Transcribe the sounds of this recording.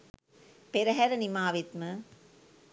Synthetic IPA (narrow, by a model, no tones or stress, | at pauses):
peɾɐɦæɾɐnimaːʋit̪mɨ